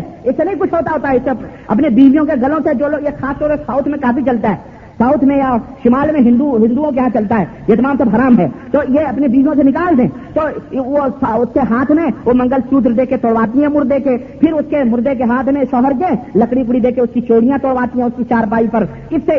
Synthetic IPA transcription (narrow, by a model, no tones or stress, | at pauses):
ɪsːenɐɦĩkʊt͡ʃʰɦoːt̪aɦoːt̪aɦɛɪse | ɐ̰pnebiːʋijõkeɡɐlõsed͡ʒoːloːɡjexʰaːst̪ɔːɾsaːʊt̪ʰmẽkaːpit͡ʃɐlt̪aɦɛː | saːʊt̪ʰmẽjaʃɪmaːlmẽɦɪ̃nd̪uɦɪ̃nd̪uõk̬eɦãt͡ʃɐlt̪aɦɛː | jet̪ɐmãːmsebɦaɾaːmɦɛːt̪oːjeɐpnebiːʋijõsenɪkaːld̪ẽː | t̪oːosʊskeɦaːt̪ʰmẽomɐ̃ŋɡəlsuːd̪ɾd̪eːkʰet̪oːɽʋaːt̪̬ĩɦɛ̃mʊɾd̪eke | pʰɪɾʊskemʊɾd̪ek̬eɦaːt̪ʰmẽʃɔːɦəɾkẽlɐkɽik̬ɽid̪eːkʰeʊskit͡ʃoːɽijãt̪oːɽʋaːt̪ĩɦɛ̃ʊskit͡ʃaːɾp̬aːipɐɾ | ɪsːe